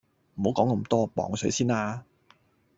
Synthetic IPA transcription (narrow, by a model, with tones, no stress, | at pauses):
m̩˨˩ho˨˥wkɔː˨˥ŋkɐ˧˥mt̪ɔː˥pɔ̰ː˨˧ŋsɵ˨˥ɥsiː˥naː˧